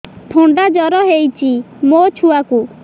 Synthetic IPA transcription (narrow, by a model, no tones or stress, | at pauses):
pʰoɳɖad͡ʒɔɾɔɦejt͡ʃʰi | mot͡ʃʰuaku